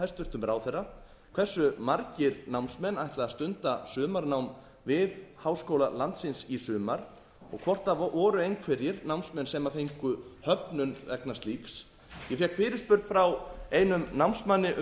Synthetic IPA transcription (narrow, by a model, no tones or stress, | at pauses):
ajst̪vʏr̥t̪ʏmɾaːwθɛra | kʰvɛsːʏmaɾcɪɾnawnsmɛnajht̪laaðst̪ʏnt̪asʏːmaɾnawm | vɪðhawskowlalant̪sɪnsisʏːmaɾ̥ | ɔ̰ɣkʰvɔr̥t̪avʔɔːɾʏejnkʰvɛɾjɪɾnawmnsmɛnsɛmaθejŋkʏhœpnʏnvɛknast̪liːks | jɛfjɛkʰfɪːɾɪspʏɾt̪fɾawejnʏmnawmnsmanːɪʔ